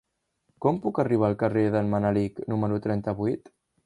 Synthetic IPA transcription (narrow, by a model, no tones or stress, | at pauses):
kɔmpukəriβ̞aːlˠkəreðənmənaliknuməɾut̪ɾɛnt̪əβuit̪